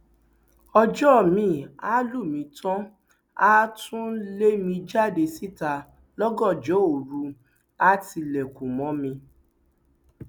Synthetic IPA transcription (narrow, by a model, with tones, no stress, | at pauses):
ɔ˧d͡ʒɔ˦˨mĩ˨˦a˦lu˦˨mĩ˨˧˦tʰã˦ | a˦tʰũ˦le˦mĩ˧d͡ʒa˦˨de˧si˦˨ta˧ | lɔ˦ɡɔ̃˦˨d͡ʒɔ˨˦o˨ɾu˧˦ | a˦ti˧lɛ˨kũ˨mɔ̃˨˦mĩ˧